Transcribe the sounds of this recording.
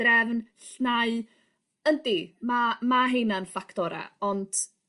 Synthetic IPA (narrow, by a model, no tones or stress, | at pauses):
rɛvnɬnaɨ | əndimamaɦejnanfakʰtɔɾa̰ɔnd̥